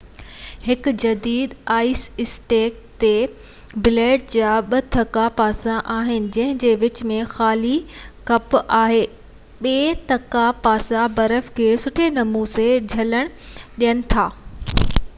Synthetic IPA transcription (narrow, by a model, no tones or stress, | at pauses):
hɪk̆d͡ʑɐd̪iːd̪aːɪsɪsʈeːk̚ | t̪e | bɪleːʈ̚d͡ʑaːɓɐt̪ʰɐkapaːsãʔaːɦɪnɪ̆d͡ʑɐ̃ɦɪ̃d͡ʑeːʋɪt͡ɕmẽxaːlikɐpaːɦeː | ɓeːt̪ɐkapaːsabɐɾəfkʰeːsʊʈʰenɐmuːzed͡ʑʱɐləɽ̃ɗijəñɪ̆t̪ʰaː